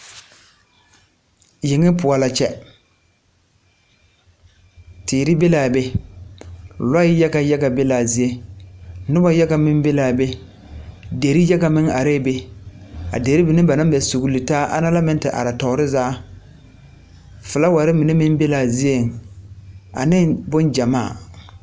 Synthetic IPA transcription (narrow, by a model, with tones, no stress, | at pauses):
jɪ˨ŋɪ˦pʊ˨a˨la˨t͡ʃɛ˦ | tiː˨ɾɪ˦be˦laː˨be˦ | la˦ɪ˦jɛ˦ɡa˨jɛ˦ɡa˨be˦laː˨zi˦e˦ | nʊ˦ba˦jɛ˦ɡa˨mɪ˦mbe˦laː˨be˦ | de˨ɾi˦jɛ˦ɡa˨mɪ˦ŋa˨ɾeː˦be˦ | a̰˨de˨ɾi˦bɪ˨nɪ˦ba˨nã˦mbɛ˨su˨ɡu˨li˨taː˦ʔa̰˦na˦la˦mɛ˦n˦tɪ˨ʔa̰˨ɾa˨tɔ˨˦ɾɪ˦zaː˦ | fɨ˨la˦wa˨ɾɪ˦mɪ˨nɪ˦mɪ˦m˦be˦laː˨zi˦e˦˨ŋ˨ | a̰˨nɪ˦ŋbʊ˦nd͡ʒa˨maː˦˨